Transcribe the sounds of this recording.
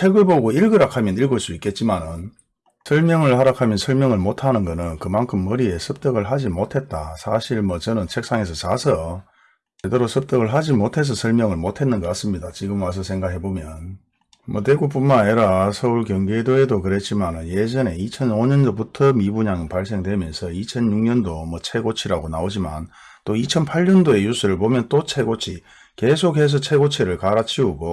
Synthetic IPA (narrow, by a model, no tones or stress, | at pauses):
t͡ɕʰeɡɯɭboɡoiɭɡɯɾakʰamjʌniɭɡoɭs͈uik͈e̞t̚t͡ɕ͈imanɯn | sʰʌɭmjʌŋɯɭhaɾakʰamjʌnsʰʌɭmjʌŋɯɭmotʰanɯnɡʌnɯnkɯmankʰɯmːɯɾie̞sʰɯp̚t͈ʌɡɯɭɦad͡ʑimotʰe̞t̚t͈asʰaɕʰiɭmʌt͡ɕʌnɯnt͡ɕʰek̚s͈aŋe̞s̬ʰʌt͡ɕasʰʌ | t͡ɕedeɾosʰɯp̚t͈ʌɡɯɭɦad͡ʑimotʰe̞s̬ʰʌsʰʌɭmjʌŋɯɭmotʰe̞nːɯnɡʌk͈ats͈ɯmɲidat͡ɕiɡɯmas̬ʰʌsʰe̞ŋɡakɦe̞bomjʌn | mʌt̬weɡup͈unmaiɾasʰʌuɭkjʌŋɡedoedokɯɾe̞t̚t͡ɕ͈imanɯnje̞d͡ʑʌne̞it͡ɕʰʌnoɲʌndobutʰʌmibuɲaŋɯpaɭs̬͈e̞ŋdwemjʌnsʰʌit͡ɕʰʌnjuŋɲʌndomʌt͡ɕʰe̞ɡot͡ɕʰiɾaɡonaod͡ʑima̰n | t͈oit͡ɕʰʌnpʰaʎːʌndoe̞jus͈uɾɯɭpomjʌnt͈ot͡ɕʰe̞ɡot͡ɕʰi | ke̞sʰokhe̞s̬ʰʌt͡ɕʰe̞ɡot͡ɕʰeɾɯɭkaɾat͡ɕʰiuɡo